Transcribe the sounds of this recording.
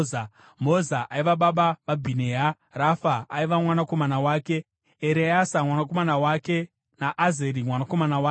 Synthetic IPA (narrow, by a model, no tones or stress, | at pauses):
a | mozaʔaiʋaɓaɓaʋabʱineːɦa | rafaːiʋamwanako̞manawaːke̞ | eɾejasamwanak̬o̞manawake̞ | naʔːzeɾimwanako̞manawaːke